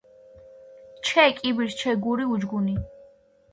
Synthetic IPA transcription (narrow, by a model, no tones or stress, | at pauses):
t͡ʃʰɛkʼibiɾt͡ʃʰɛɡuɾiud͡ʒɡuni